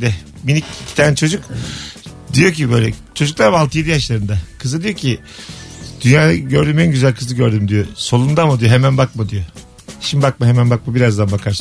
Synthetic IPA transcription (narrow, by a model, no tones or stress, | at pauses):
d̪ɛ | minʲiccʰi̥t̪ʰaːnɛt͡ʃʰo̞d͡ʒuk | d̪ijocʰibøjlʲɛ̰t͡ʃʰo̞d͡ʒuklˠaɾmaaːlˠt̪ʰɯjed̪ijaʃlˠaɾɯnd̪akʰɯzɯd̪ijocʰi | d̪̥ynjaːd̪aɟøɾd̪ymænɟyzælʲkʰɯzˠɯɟøɾd̪ymd̪ijoso̞lˠund̪amad̪ijoɦemænbak̚mad̪ijo | ʃimbak̚maɦemænbak̚mabiɾazd̪anbakʰaɾs